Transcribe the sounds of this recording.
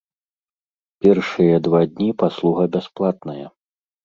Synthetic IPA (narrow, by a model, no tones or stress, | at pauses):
pʲɛrʂɨjɐd̪vad̪ʲnʲipaslˠuɣɐbʲasplˠat̪̚nɐjɐ